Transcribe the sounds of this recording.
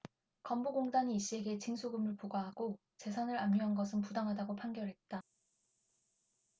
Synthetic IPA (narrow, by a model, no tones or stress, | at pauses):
kʌmboɡoŋdaɲiːɕ͈ie̞ɡe̞t͡ɕiŋsʰoɡɯmɯɭpoɡaɦaɡo | t͡ɕe̞sʰanɯɾamɲʌɦanɡʌsʰɯnpudaŋɦadaɡopʰaŋɡjʌɾɦet̚t͈a